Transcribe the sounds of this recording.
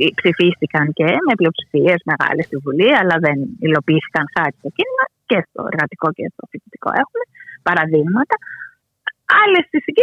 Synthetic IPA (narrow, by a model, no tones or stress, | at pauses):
psifist̪ikɐnce̞meplio̞psi̥fie̞zme̞ɣɐ̰lest̪ivuliɐlɐðenilo̞piiːθi̥kɐnxɐt̪i̥t̪ocinimɐcest̪o̞̰eɾɣɐt̪iko̞ce̞st̪oθicit̪i̥ko̞̰ʔe̞xume̞pɐɾɐðiɣmɐt̪ɐ | ɐle̞st̪isici